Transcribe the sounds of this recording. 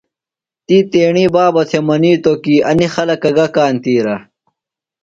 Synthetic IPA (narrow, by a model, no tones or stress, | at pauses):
t̪iːt̪eːɳiːbaːbɐt̪ʰemɐniːt̪okiːɐnixɐlɐkɐɡɐkaːnt̪iːɾɐ